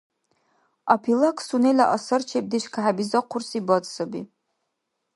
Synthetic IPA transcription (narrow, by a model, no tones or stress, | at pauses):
apʰilɐkʰʼsunelɐ̰ʔɐsɐrt͡ʃʰep̚diɕkʰaħabizɐqʰʷʊrsibɐt͡sʼsɐbḭː